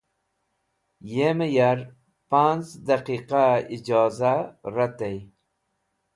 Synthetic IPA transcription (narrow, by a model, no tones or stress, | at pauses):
jeməjaɾ | panzd̪aqiqaid͡ʒɑːzaɾat̪ej